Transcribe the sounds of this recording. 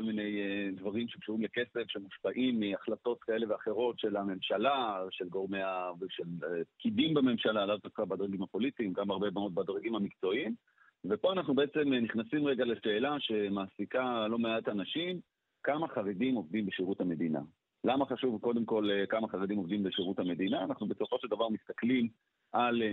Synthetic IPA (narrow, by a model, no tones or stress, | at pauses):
kolmine̞jed̪vaʁimʃekʃuʁimleke̞sefʃemuʃpaʔimːiaχlat̪o̞tkae̞le̞veaχe̞ʁo̞tʃe̞lame̞mʃalaʃe̞lɡo̞ʁmeavʃelep̚kidimbame̞mʃalaːlavt̪afχabad̪ʁaɡimapo̞lit̪iːmɡamaʁbebamo̞t̪̚bad̪ʁaɡimamikt͡so̞im | vepo̞anaχnube̞et͡se̞mniχnasimʁeɡaleʃe̞ːlaʃe̞maːsikalo̞meʔatanaʃim | kamaχaʁedimo̞vd̪imbeʃiʁuthame̞d̪ina̰ | lamaχaʃuvko̞de̞mko̞lkamaχaʁed̪imo̞vd̪imbeʃiʁuthame̞dinaːnaχnube̞so̞fo̞ʃeld̪avaʁmist̪aklim | ʔal